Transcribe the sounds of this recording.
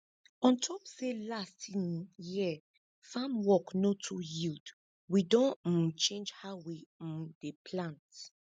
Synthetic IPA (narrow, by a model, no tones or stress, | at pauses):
ɔ̃ntʰɔpselastʰĩnjiə | fãmwɔknotʰujild | widɔ̃n̩t͡ʃẽnd͡ʒhaʊwidepʰlãnt